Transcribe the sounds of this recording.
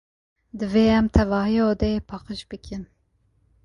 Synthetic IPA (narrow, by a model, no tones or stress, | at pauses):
d̪ɨveːɛmt̪ʰɛvɑːɦijod̪ɛepʰɑːqɨʃbɨkʰɨn